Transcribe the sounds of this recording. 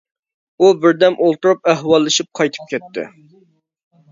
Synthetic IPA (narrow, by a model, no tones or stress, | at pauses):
ubɪɾd̪ɛmʔolˠt̪uɾupɛhwɑlˠːɨʃip̚qʰɑjt̪ʰɨ̥p̚kʲʰɛt̪ʰːɪ̰